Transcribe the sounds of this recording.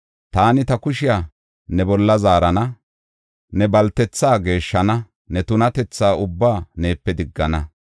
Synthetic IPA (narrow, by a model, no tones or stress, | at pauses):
t̪aːnɪt̪ɐkʊʃɪja | nɛbɔlːɐzaːɾɐnɐ | nɛbɐlt̪ɛt͡sːaːɡe̞ːʃːɐnɐ | nɛt̪ʊnɐt̪ɛt͡sːaːʊbːaːne̞ːpːɛd̪ɪɡːɐnɐ